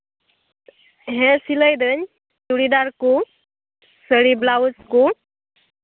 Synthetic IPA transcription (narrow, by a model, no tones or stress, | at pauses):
ɦɛ̃siləjd̪əɲ | t̪uɽid̪aɾku | səɽiblawusku